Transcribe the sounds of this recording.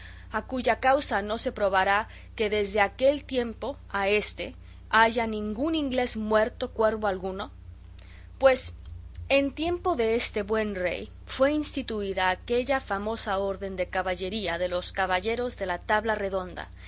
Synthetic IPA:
akuʝakawsano̞se̞pɾo̞βaɾa | ke̞ðe̞zðe̞ake̞lt̪je̞mpo̞ | ae̞st̪e̞ | aʝanĩŋɡuniŋɡle̞zmwe̞ɾt̪o̞kwe̞ɾβo̞alɣuno̞ | pwe̞s | ent̪je̞mpo̞ðe̞est̪e̞βwe̞nre̞̰j | fwe̞inst̪it̪uiðaːke̞ʝafamo̞sao̞ɾðe̞nd̪e̞kaβaʝe̞ɾiaðe̞lo̞skaβaʝe̞ɾo̞zðe̞lat̪aβlare̞ðo̞nd̪a̰

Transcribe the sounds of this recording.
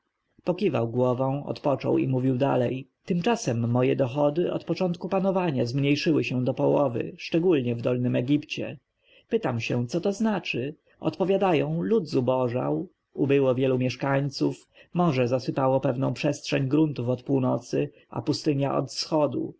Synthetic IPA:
pɔkʲiva̰wɡwɔvɔ̃w̃ɔ̰t̪pɔt͡ʂɔ̰wḭmuvʲiwd̪a̰lɛjt̪ɘmt͡ʂasɛmːɔjɛd̪ɔxɔd̪ɘʔɔ̰t̪pɔt͡ʂɔnt̪kupanɔvaɲazmɲejʂɘwɘɕɛ̃d̪ɔpɔwɔvɘ̰ʂt͡ʂɛɡulɲɛvd̪ɔlnɘmɛɡʲipt͡ɕɛ̰ | pɘt̪amɕɛt̪sɔt̪ɔznat͡ʂɘ | ɔ̰t̪pɔvʲjad̪ajɔ̃w̃lud̪zubɔʐa̰w | ubɘwɔvʲjɛlumʲjɛʂkaɲt̪suf | mɔʐɛzasɘpawɔpɛvnɔ̃w̃pʂɛstʂɛɲɡɾunt̪ufɔt̪puwnɔt̪sɘ | a̰pust̪ɘɲaʔɔ̰t̪fsxɔd̪ṵ

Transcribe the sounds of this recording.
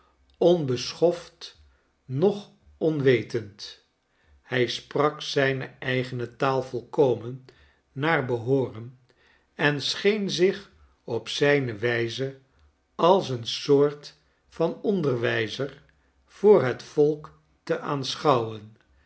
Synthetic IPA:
ɔnbəsχɔft | nɔχ | ɔnʋejtənt | hɛjsprɑksɛjnəɛjχənətaːlˠvɔlˠkowmənː | aːrbəɦoːrən | ɛnsχejnzɪχ | ɔpsɛjnəʋɛjzə | ɑlˠs̬ənsʊːɹt | fɑnɔndərʋɛjzər | v̥ʊːɹɦətfɔlˠk | təʔaːnsχɑwən

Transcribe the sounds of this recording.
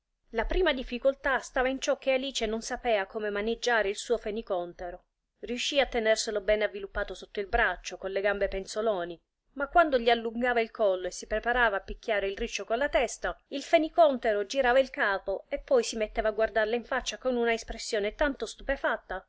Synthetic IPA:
lapɾiːmad̪ifːikolt̪ast̪aːvaint͡ʃɔk̟ːealiːt͡ʃenonsapɛːakoːmemaned͡ʒːaːɾeilsuːofenikɔnt̪eɾo | riuʃːiːat̪ːenɛrselobɛːnavːilupːaːt̪osot̪ːoilbɾat͡ʃːokonleɡambepensolɔːni | makːwand̪oʎialːuŋɡaːvailkʰɔlːoesːipɾepaɾaːvaːpːikʰʲːjaːɾeilrit͡ʃːokonlat̪ɛst̪ailfenikɔnt̪eɾod͡ʒiɾaːvailkaːpoepːɔjsimet̪ːɛːvaːɡward̪arlaiɱfat͡ʃːakonunaespɾesːjoːnet̪ant̪ost̪upefat̪ːa

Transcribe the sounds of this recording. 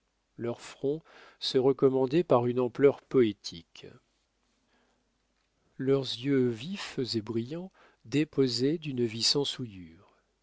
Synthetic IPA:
lœʁfχɔ̃ | səʁəkɔmɑ̃d̪ɛpaʁynɑ̃plœʁpɔet̪ʰik | lœʁzjøvifzebʁijɑ̃ | d̪epozɛd̪ynvisɑ̃sujyːʁ

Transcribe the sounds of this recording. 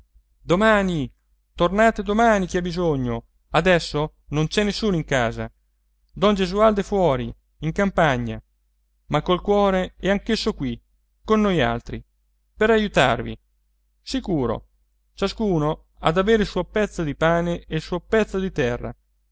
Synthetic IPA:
d̪omaːni | t̪ornaːt̪ed̪omaːnik̟iabizoɲːo | ad̪ɛsːo | nont͡ʃɛnːesːuːnoiŋkaːza̰ | d̪ɔnd͡ʒezuald̪efwɔːɾi | iŋkampaɲːa | makːolkwɔːɾeɛaŋk̟esːokwi | konːoja̰lt̪ɾi | peɾajut̪a̰rvḭ | sikuːɾo̰ | t͡ʃaskuːno | a̰d̪aveːɾeilsuːopɛt̪sːod̪ipaːneelsuːopɛt̪sːod̪it̪ɛrːa̰

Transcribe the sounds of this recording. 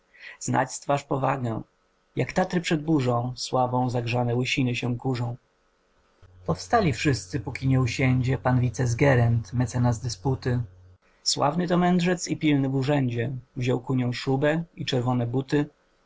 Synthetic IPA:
zna̰t͡ɕst̪faʂpɔvaɡɛ̰ | jakt̪at̪ɾɘpʂɛd̪̚buʐɔ̃w̃swabɔ̃w̃zaɡʐanɛwɘɕinɘɕɛ̃kuʐɔ̃w̃ | pɔfst̪alʲifʂɘst̪sɘpukʲiɲɛuɕɛɲd͡ʑɛpanvʲit̪sɛzɡɛɾɛnt̪mɛt̪sɛnazd̪ɘsput̪ɘ | swa̰vnɘt̪ɔmɛnʐɛt̪sipʲilnɘvuʐɛɲd͡ʑɛvʑɔwkuɲɔ̃w̃ʂubɛit͡ʂɛɾvɔnɛbut̪ɘ

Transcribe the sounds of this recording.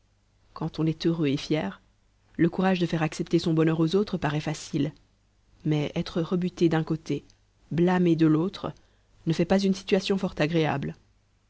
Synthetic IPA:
kɑ̃t̪ɔ̃nɛt̪øʁøefjɛːʁ | ləkuʁaʒd̪əfɛʁaksɛpt̪esɔ̃bɔnœʁozot̪χəpaʁɛfasil | mɛɛt̪χəʁəbyt̪ed̪ɛ̃kot̪e | blamed̪əlot̪χ | nəfɛpazynsi̥t̪ɥasjɔ̃fɔʁt̪aɡʁea̰bl

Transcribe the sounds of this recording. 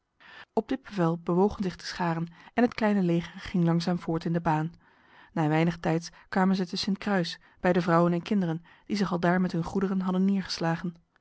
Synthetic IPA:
ɔb̚dɪd̚b̥əvɛlˠbəʋowχənzɪχtə̥sχaːrənɛnɦətklɛjnəlejχəɹχɪŋlɑŋzaːmvʊːɹtɪndəbaːnː | aːʋɛjnəχtɛjtskʋaːmənzətəsɪntkrœɥs | b̥ɛjdəvrʌwənɛnkɪndərən | d̥izɪχɑlˠdaːɹmɛtɦɵnχudərənɦɑdənːɪːɹχə̥slaːχən

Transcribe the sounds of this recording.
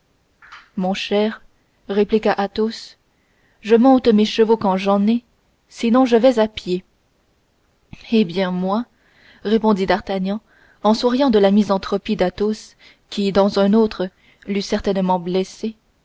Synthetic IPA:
mɔ̃ʃɛːʁ | ʁeplikaʔat̪os | ʒəmɔ̃t̪meʃəvokɑ̃ʒɑ̃nɛ | sinɔ̃ʒəvɛzapje | ebjɛ̃mwa | ʁepɔ̃d̪id̪aʁt̪aɲɑ̃ | ɑ̃suʁijɑ̃d̪əlamizɑ̃t̪χɔpid̪at̪os | kʲʰid̪ɑ̃zɛ̃not̪χə | lysɛʁt̪ɛnmɑ̃blɛse

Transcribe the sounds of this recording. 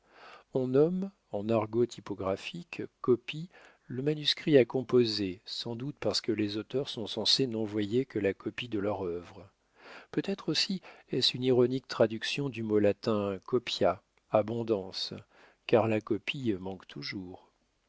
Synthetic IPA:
ɔ̃nɔm | ɑ̃naʁɡot̪ʰipɔɡʁafikkːɔpi | ləmanyskχiakɔ̃pozesɑ̃d̪ut̪̚paʁsə̥kəlezot̪œʁsɔ̃sɑ̃senɔ̃vwajekəlakɔpid̪əlœʁœvʁ | pøt̪ɛt̪χosiɛsyniʁɔnik̚t̪χad̪yksjɔ̃d̪ymolat̪ɛ̃kɔpja | abɔ̃d̪ɑ̃s | kaʁlakɔpʰimɑ̃kt̪ʰuʒuːʁ

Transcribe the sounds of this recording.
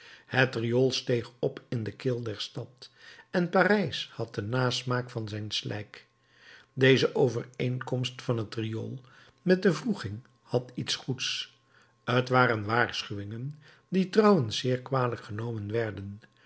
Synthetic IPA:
hətriolˠstejχɔpɪndəkɪlˠdɛɹstɑtɛnparɛjshɑt̚dənaːsmaːkfɑnzɛjnslʔɛ̰jk | dejzəʔowvərejŋkɔmstfɑnɦətrijo̰lˠ | mɛt̚dəvruχɪŋ | hɑtitsχuts | ətʋaːrənʋaːɹsχyʋɪŋən | ditrʌwənsːɪːɹkʋaːdələkχənowmənʋɛɹdən

